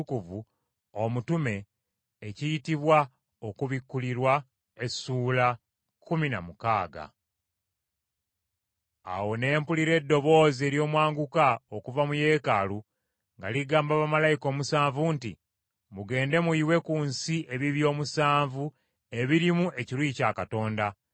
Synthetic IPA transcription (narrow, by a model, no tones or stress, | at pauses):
ukuvu | omutume̞ː | cijitiβwa | okuβikːuliɾwa | e̞suːla | kumina̰mukaːɡa̰ | a̰wo̞ne̞ːmpuliɾe̞dːo̞βo̞ːzie̞ɾjo̞ːmwaːŋɡukaokuvamuje̞ːka̰lu | ŋɡa̰liɡaːmbaβamalajiko̞ːmusaːɱvuntḭ | muɡe̞ːnde̞muiwe̞kuːnsiʔe̞βiβjo̞ːmusaːɱvu | e̞βiɾimuʔe̞ciɾwiicakato̞ːnda